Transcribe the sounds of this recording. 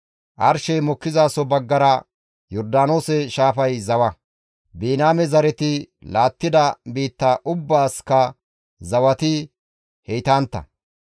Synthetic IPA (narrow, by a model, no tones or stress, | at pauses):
ʔɐɾʃɛjmɔkːɪzaːsɔbɐɡːɐɾɐ | jɔɾd̪aːno̞ːsɛʃaːfɐjzɐwɐ | biːnaːmɛzɐɾɛt̪ɪ | laːt̪ːɪd̪ɐbiːt̪ːɐʔʊbːaːskɐ | zɐwɐt̪ɪ | hɛjt̪aːnt̪ːɐ̰